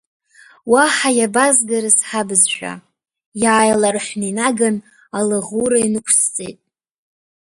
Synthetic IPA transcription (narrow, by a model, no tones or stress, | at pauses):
waħajabazɡaɾɨsħabɨzʃᶣa̰ | jaːjlarħʷninaɡan | alɨʁuɾainɨkʷʰst͡sʼḛtʼ